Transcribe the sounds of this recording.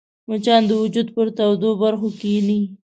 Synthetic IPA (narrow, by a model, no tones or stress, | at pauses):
mʊt͡ʃɑnd̪əwʊd͡ʒud̪pəɾt̪awd̪obaɾxokeni